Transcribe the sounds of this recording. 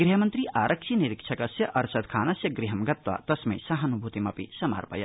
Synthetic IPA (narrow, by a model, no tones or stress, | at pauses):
ɡɾiɦɐmɐnt̪ɾiʔaːɾʔɐkʃʰiniɾikt͡ʃʰɐkɐsjɐʔɐɾsɐd̪̚kʰaːnɐsjɐɡɾiɦɐmɡɐt̪ʋa̰t̪ɐsmḛsɐɦɐnubʱut̪imɐpḭsɐma̰ɾpɐ̰jɐ̰